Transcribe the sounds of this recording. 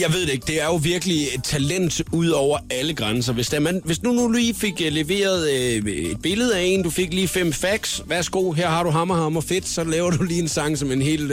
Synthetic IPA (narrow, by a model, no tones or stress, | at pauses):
jɑ̈ɪʋe̝ð̞ˠd̥eeɡ̥̚d̥e̝æɐjo̝ʋiɐɡ̥əliet͡sʰælen̰d̥uð̰ˠɒʊ̰ɐæləɡ̥ʁans̬ɐʋe̝sd̥æmænʋe̝snunuliːfe̝ɡ̥leʋe̝̰ːɐð̞ˠe̝d̥̚b̥e̝ləð̞̩ˠæe̝̰ːnd̥ufe̝ɡ̥liːfem̰fæɡ̥sʋæɐsɡ̥o̝̰ːɦæɐ̰ɦɑ̈ɾ̥uɦɑ̈mɐhɑ̈mɐfe̝d̥sɒ̽lɛːʊɐd̥uliːe̝nsɑ̈ŋsɒ̽me̝nɦe̝̰ːl